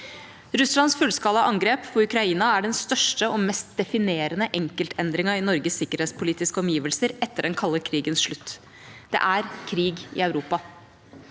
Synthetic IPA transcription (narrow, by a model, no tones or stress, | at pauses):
ɾʉslɑnsfʉlskɑləʔɑŋɡɾeːpfɔʉkɾɑiːnɑæɖɛnst̪œʂʈəʔɔmɛst̪̚d̪ɛfɪneːɾənəʔɛŋkəlt̪ʰɛnd̪ɾɪŋəɪnɔɾɡəsːɪkːəɾheːt̪spʰʊliːt̪ɪskəɔmjiːʋəlsəɾɛt̪ːəɖɛnkʰɑlːəɾkʰɾiːɡənsʂɭʉt̪ː | d̪̥ɛ̰ʔæɾkʰɾiːɡɪ̰œʉɾuːpɑ